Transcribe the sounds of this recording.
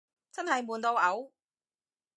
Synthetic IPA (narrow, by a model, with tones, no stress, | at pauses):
t͡sɐ˥nɦɐ˨jmuː˨˩nt̪o˧wɐ˨˥w